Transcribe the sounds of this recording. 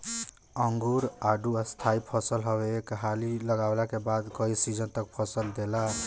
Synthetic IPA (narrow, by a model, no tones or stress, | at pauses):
əŋɡuɾaɖuəst̪ʰaipʰəsəlɦɔbeːkɦaliləɡawlakebad̪kəisid͡ʒənt̪ək̚pʰəsəld̪ela